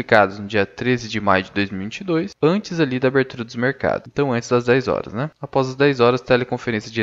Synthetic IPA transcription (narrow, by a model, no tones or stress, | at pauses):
likad̪ʊznʊd͡ʒiɐt̪ɾezɪd͡ʒɪma̰jʊd͡ʒɪd̪ojzmiwuvĩt͡ʃɪd̪ojsɐ̃nt͡ʃɪzalid̪ɐabeɾt̪uɾɐd̪ʊzmeɾka̰d̪ʊ̃t̪ɐ̃w̃ɐ̃nt͡ʃɪzd̪ɐzd̪ɛjzɔ̰ɾɐ̰znɛapɔzɐzd̪ɛjzɔɾɐst̪ɛlekõfeɾẽsjɐd͡ʒɪ